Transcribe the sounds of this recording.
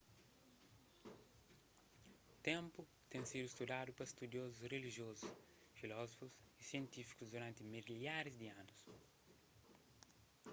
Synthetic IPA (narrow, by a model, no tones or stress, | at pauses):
t̪ẽmpʊ | t̪ẽŋsid̪uist̪ud̪ad̪ʊpɐst̪ud̪jozusreliʒjozus | filɔzofus | isiẽnt̪ifi̥kuzd̪uɾãnt̪ɪmilaɾizd̪iãnus